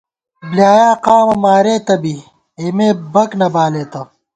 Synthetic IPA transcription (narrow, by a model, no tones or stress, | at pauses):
bljaːjaːqaːmɐmaːɾeːt̪ɐbi | emeːbɐknɐbaːleːt̪ɐ